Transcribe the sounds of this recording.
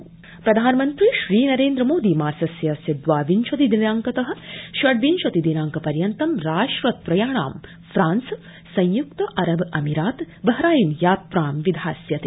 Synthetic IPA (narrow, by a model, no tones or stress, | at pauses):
pɾɐd̪ʱaːnɐmɐnt̪ɾiːʃɾiːnɐɾeːnd̪ɾɐmoːd̪imaːsɐsjɐsjɐd̪ʋaːʋinʃɐt̪id̪inaːŋkɐt̪ɐɦɐ̆ʃʋɐɽʋinʃɐt̪id̪inaːŋkɐpɐɾjɐnt̪ɐmɾaːʃʋɐt̪̚pɾɐjaːɳa̰ːm | fɾaːns | sɐ̃jjukt̪ɐʔɐɾɐbɐmiɾaːt̪ | bɐɦɐɾaːjinjaːt̪̚pɾaːmʋid̪ʱaːsjɐt̪i